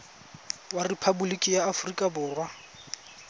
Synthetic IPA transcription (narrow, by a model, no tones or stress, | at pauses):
waripʰabulikʼɪjaːfʊrikʼabʊːrwa